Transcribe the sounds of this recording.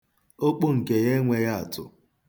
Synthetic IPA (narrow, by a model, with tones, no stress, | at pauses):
o˦k͡po˦ŋ̩˨ke˨ɣe˦ŋʷe˨ɣa˦a˨tʊ̰˨